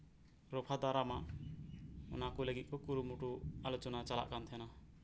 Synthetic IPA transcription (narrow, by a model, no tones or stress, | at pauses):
ɾɔpʰad̪aɾamaʔ | ɔ̰nakuləɡit̪̚kɔkuɾumuʈualɔt͡ʃɔnat͡ʃala̰ʔkant̪ʰɛna